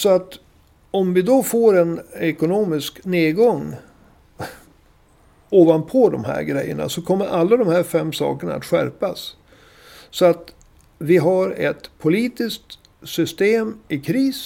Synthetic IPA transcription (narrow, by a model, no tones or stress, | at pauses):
sɔat̪ | ɔmvɪd̪ɔfoːɾɛnɛkʊnoːmɪskneːdɡɔŋː | oːvanpʰɔd̪ɔmɦæ̰ːɾɡɾɛjːə̰ɳa̰sɔkʰɔmːəɾʔalːad̪ɔmhæɾfɛmːsɑ̰ːkəɳa̰a̰t̪ɧæ̰ɾpasː | ɔat̪ | vɪɦaɾɛ̰t̪pʰʊliːt̪ɪsk̚t̪ | sʏst̪eːmɪkʰɾiːs